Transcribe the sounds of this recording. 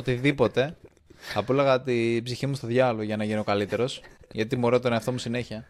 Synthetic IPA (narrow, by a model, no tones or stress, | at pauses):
ot̪iðipo̞t̪e̞ | ɐpulɐɣɐt̪ibziçimust̪o̞ðʝɐloʝɐnɐʝinio̞kɐlit̪e̞ɾo̞sʝɐt̪imoɾot̪oneɐft̪o̞musine̞çiɐ